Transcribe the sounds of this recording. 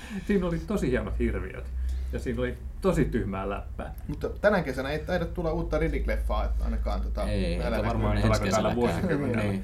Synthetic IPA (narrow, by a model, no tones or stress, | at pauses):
siːnolit̪osihiɑnot̪hirʋḭø̰t̪jɑsiːnolit̪osit̪yhmæ̰ːlæ̰pːæ̰ː | mut̪ːt̪ænækesænæeit̪ɑiɾɑt̪t̪ulːɑuːt̪ːɑriliklefːɑːɑ̰inɑkɑ̰ːnt̪ŏt̪ɑælæɑrmɑːit̪ɑlːɑkot̪ælːæʋuosikymːenḛlːæ